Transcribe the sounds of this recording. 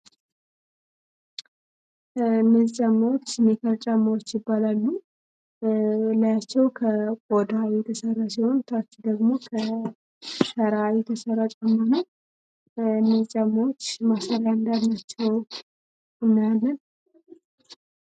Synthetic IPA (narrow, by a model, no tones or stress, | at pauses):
ɨnːəzt͡ʃʼamːawot͡ʃːmekʰəɾt͡ʃʼamːawot͡ʃːjɪbːalalːu | lajat͡ʃːɛwkʰəkʼɔd̪ajɛt̪ʰəsərːasiho̞nt̪ʰat͡ʃːd̪əɡmo̞kʰə | səɾajɛt̪ʰəsərːat͡ʃʼamːanəw | ɨnːəzt͡ʃʼamːawot͡ʃːmasəɾjand̪ad̪nat͡ʃːɛw | ɨmːjalːən